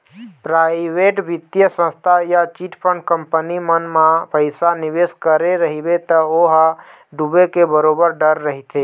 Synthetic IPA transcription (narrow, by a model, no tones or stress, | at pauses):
pɾaɪʋeʈbit̪jəsə̃st̪ʰajat͡ʃiʈpʰəɳkəmpənimənmãpəɪsanibeskəɾeɾəɦibet̪əoɦ | ɖubekebəɾobəɾɖəɾːəɦit̪ʰe